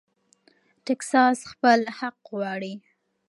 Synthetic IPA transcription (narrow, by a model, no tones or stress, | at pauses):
ʈeksɑsxpəlhaqɣwɑɽi